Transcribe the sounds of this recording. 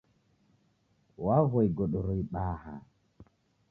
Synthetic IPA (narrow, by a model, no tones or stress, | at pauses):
wavɔjɡɔɗɔɾɔjɓaːha̰